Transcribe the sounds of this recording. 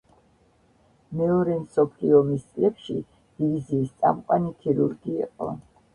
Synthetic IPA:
mɛɔɾɛnsɔpʰliɔmist̪sʼlɛpʃḭ | d̥iiziːst̪sʼa̰mqʼwanikʰiɾuɾɡḭːqʼɔ̰

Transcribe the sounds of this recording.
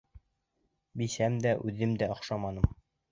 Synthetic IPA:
bisæmd̪æʔʉðɘmd̪æŏχʃɑmɑnɤm

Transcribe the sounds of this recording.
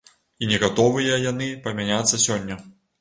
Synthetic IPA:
inʲɛɣat̪ɔvɨjɐjanɨpɐmʲanʲat̪sːɐsʲɔnʲːɐ

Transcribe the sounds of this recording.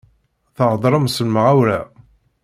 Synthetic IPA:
θəʁd̪ˤɾˤəmsəlməʁæwɾæ

